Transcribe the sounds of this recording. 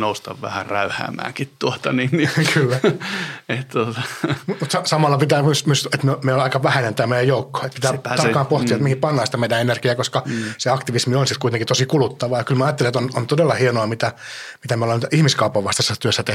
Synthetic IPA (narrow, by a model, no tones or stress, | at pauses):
noust̪ɑ̰ʋʋæ̰hæ̰ræyhæ̰ːmæ̰ːkit̪t̪uot̪ɑninkʰylːæ | et̪t̪ot̪ɑmumut̪sɑsɑmɑlːɑpit̪æːmysmyset̪myomeiolɑikɑʋæhænænt̪æːmeˑijæjoukːo̥ːet̪pit̪æːɑrkːɑːmpoht̪iɑet̪mihipɑnːɑːst̪æmeidæ̃enerɡiɑːkoskɑseɑkt̪iʋismionsit̪kuit̪eŋkit̪osikulut̪ːɑʋɑjɑkylmæɑjɑt̪ːeliet̪onont̪odelːɑhienoɑmit̪æmit̪æmeolːɑnihmiskɑupːɑʋʋɑst̪ɑsːɑt̪yøsːæt̪e